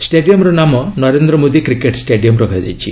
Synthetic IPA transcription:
sʈeɖijɔmɾɔnamɔnɔɾend̪ɾɔmod̪ikɾikeʈsʈeɖijɔmɾɔɡʱajd͡ʒ̪a̰jt͡ʃʰi

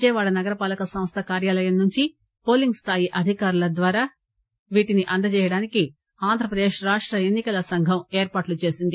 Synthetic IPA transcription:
d͡ʒɛːʋaːɭɐnɐɡɐɾɐpaːlɐkɐsɐmst̪ʰɐkaːɾjaːlɐjɐmnuɲt͡ʃi | po̞ːliŋɡst̪ʰaːjiʔɐd̪ʱikaːɾulɐd̪ʋaːɾaː | ʋiːʈiniʔɐnd̪ɐt͡ʃɛːjɐɽaːniki | aːnd̪ʱɾɐpɾɐd̪eːʂɾaːʂʈɾɐe̞nːikɐlɐsɐŋɡʱɐmeːɾpaːʈlut͡ʃe̞ːsind̪i

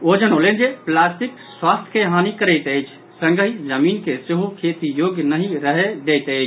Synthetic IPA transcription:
od͡ʒənɦolend͡ʒeplasʈikswast̪ʰəeɦanikəɾəɪt̪əjt͡ʃʰ | sə̃ŋɡəɦid͡ʒəmiːnkeseɦukʰet̪ijoɡjnəɦĩɾəɦed̪ɛjt̪əjt͡ʃʰ

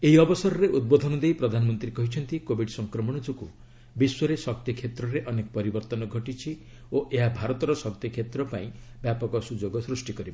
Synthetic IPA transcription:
eɦiɔbɔsɔɾɔɾeʔud̪̚bod̪ʱɔnɔd̪ejpɾɔd̪ʱanɔmɔnt̪ɾiekɔɦit͡ʃʰɔnt̪ikobʱiɖsɔŋkɾɔmɔɽ̃ɔd͡ʒokṵ | biswɔɾesɔkt̪jikʰet̪ɾɔɾeʔɔnekɔ̥pɔɾibɔɾt̪ɔnɔɡʱɔʈit͡ʃʰi | oʔeɦabʱaɾɔt̪ɔɾɔsɔk̚t̪jikʰet̪ɾɔpaĩbjapɔkɔsud͡ʒoɡɔsɾusʈikɔɾiba

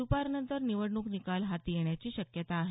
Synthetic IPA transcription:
upaɾnənt̪əɾniʋəɽɳuknikalɦat̪jeɳjat͡ɕiːɕəkjət̪aːɦe

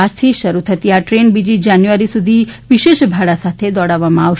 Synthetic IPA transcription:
ast̪ʰiʃəɾut̪ʰət̪iaʈɾenbid͡ʒid͡ʒanjuəɾisud̪ʱiʋiʃeʃbʱaɽasat̪ʰed̪ɔɽaʋamãawʃ

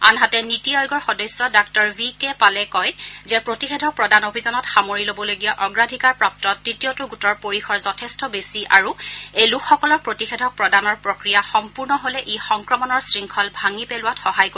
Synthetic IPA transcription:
anɦatɛnitiɔjɡɔɹxɔdɔjsːɔdak̚tɔɹvikɛpalɛkɔjzɛpɹotixedʱɔpɹɔdanobʱizanɔtxamoɹilobɔloɡijaʔɔɡɹadʱikaɹpɹap̚tɔtːɹitijɔtʊɡutɔɹpoɹixʰɔɹzɔtʰɛstɔbesiʔa̰ɹuejlukʰːɔkɔlɔɹpɹotixedʱɔk̚pɹɔdanɔɹpɹokɹijaxɔmpuɹnɔɦolɛʔixɔŋkɹɔmɔnɔɹsɹiŋkʰɔlbʱaŋipelʊwatxɔɦajko

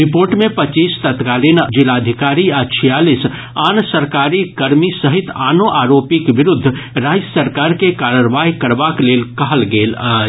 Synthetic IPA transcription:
ɾɪpoːɾʈmẽpət͡ʃiːst̪ət̪kaːlind͡ʒɪlaːd̪ʱɪkaːɾiat͡ʃʰijaːlis | aːnsəɾkaːɾikəɾmisəɦɪt̪aːnoʔaːɾoːpikbɪɾʊd̪ʱːɾaːd͡ʒəsəɾkaːɾkekaːɾəɾʋaːɦkəɾbakleːlkəɦəlɡeːla

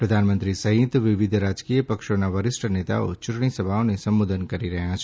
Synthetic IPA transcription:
pɾəd̪ʱanmənt̪ɾisəɦĩt̪ʋɪʋɪd̪ʱɾad͡ʒkijəpəkʃonaʋəɾɪsʈʰənet̪a̰o̰t͡ʃʊʈɳ̃isəbʱaonesəmːod̪ʱənkəɾiɾəɦjãt͡ʃʰ

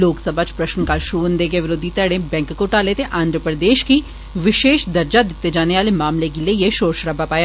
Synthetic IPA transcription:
loːksəbʱat͡ʃpɾɐʃnkaːlʃɾuːʋənd̪ekeʋɪɾoːd̪ʱit̪ɐɽẽbɛ̃ːŋkkoʈaːlet̪eʔãːnd̪ʱɾəpɾəd̪eːʃki | ʋɪʃeːʃd̪ɐɾd͡ʒad̪ɪt̪ːed͡ʒaːneʋaːlemaːmlekilejeʃoːɾʃɾɐbʱapaːje

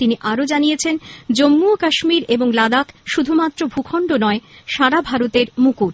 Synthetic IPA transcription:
t̪iniʔaɾod͡ʑanijet͡ɕʰend͡ʑomːuokaʃmiɾeboŋlad̪akʃud̪ʱumat̪ːɾobʱukʰɔɳɖonɔeʃaɾabʱaɾot̪eɾmukuɾ

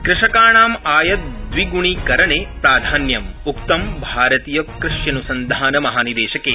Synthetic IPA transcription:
kɾɪʂɐkaːɳaːmaːjɐt̪̚d̪ʋiɡuɳikɐɾɐɳeːpɾaːd̪ʱaːnjɐmuk̚t̪ɐmbʱaːɾɐt̪iːjɐkɾɪʂjɐnusɐnd̪ʱaːnɐmɐɦaːnid̪eːʃɐkeː

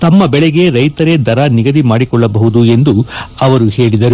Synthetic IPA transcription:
t̪ɐmːɐbɛɭɛɡe̞ɾɐjt̪ɐɾe̞d̪ɐɾaniɡɐd̪imaːɽikɔɭːɐbɐɦud̪ue̞nd̪uɐʋɐɾuhe̞ːɭid̪ɐɾu

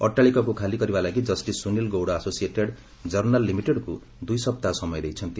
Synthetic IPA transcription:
ʌʈːalikʌkokʰalikʌɾibalaɡid͡zʌsʈisunilɡowɽaːsosieʈeɽ | d͡zʌrnalːimiʈeɽko | d̪ujsʌb̚t̪asʌmʌjd̪ʌjt͡sʰʌnt̪i

